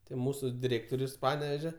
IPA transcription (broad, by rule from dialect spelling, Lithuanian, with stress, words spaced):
tɐɪ ˈmuːsʊ dʲɪˈrʲeːktoːrʲʊs ˈpɑːnʲɛʋʲɛʒʲɛ